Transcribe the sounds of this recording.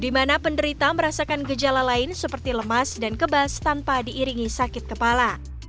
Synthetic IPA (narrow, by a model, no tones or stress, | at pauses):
dimanapəndəɾit̪aməɾasakanɡəd͡ʒalalaɪnsəpərt̪iləmasdankəbast̪anpadiʔːɾiŋisakɪt̪̚kəpala